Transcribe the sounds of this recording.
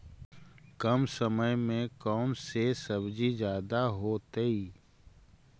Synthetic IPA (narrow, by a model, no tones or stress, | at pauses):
kəmsəməjmẽkɔːnsesəbd͡ʒizjaːd̪aɦoːt̪əi